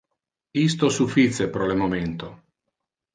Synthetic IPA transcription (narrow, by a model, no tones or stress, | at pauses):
ist̪osufit̪sepɾɔlemoment̪o